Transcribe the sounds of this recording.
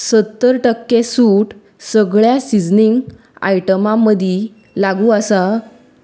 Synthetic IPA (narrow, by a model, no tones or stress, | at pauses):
sət̪ːəɾʈəkːesuʈ | səɡɭjasid͡zniŋɡ | a̰jʈəmãmːəd̪ʱi | laɡũəsa